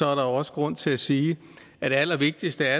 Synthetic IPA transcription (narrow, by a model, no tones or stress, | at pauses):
ɒ̽æɐɾ̥ɑ̈ɒ̽sə̥ɡ̥ʁɔ̽n̰t͡sʰe̝læsiː | ʔæd̥e̝ælɐʋe̝ɡ̥̚d̥isd̥əæɐ